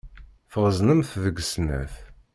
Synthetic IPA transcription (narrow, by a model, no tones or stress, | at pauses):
fəʁəznəmθðəɡsnæ̰θ